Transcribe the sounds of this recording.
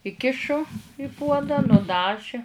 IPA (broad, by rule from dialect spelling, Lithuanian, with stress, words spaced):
ɪˈkʲɪʃʊ ɪ puɔdɑː nʊˈdɑːʒʲɪ